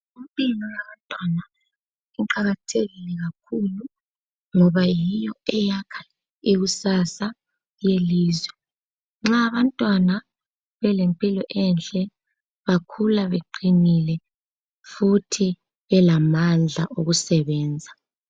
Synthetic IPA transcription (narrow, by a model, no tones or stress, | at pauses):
umpʼilɔjaβantʼwana | iǃaɣatʰeɣilɛɣakʰulu | ŋɔβajijɔɛjakʰḁ | iɣusasa | jeliːzwɛ | ŋ͡ǁaːβantʼwana | βɛlempʼilɔʔɛnt͡ɬʼɛ | βakʰulaβeǃinilɛ | futʰi | βɛlamand͡ɮʱaʔoɣusɛβɛːnd͡zʱa